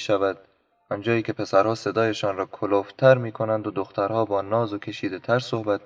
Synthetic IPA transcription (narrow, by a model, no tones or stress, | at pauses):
ʃævæd̪̚ | ɒnd͡ʒɒːjiːkʰʲe̞pʰe̞sæɾhɒːse̞d̪ɒːjeʃɒːnɾɒːkʰoloft̪ʰæɾmiːkʰonænd̪od̪oxt̪æɾhɒːbɒːnɒːzokʲʰe̞ʃiːd̪et̪ʰæɾsohbæt̪̚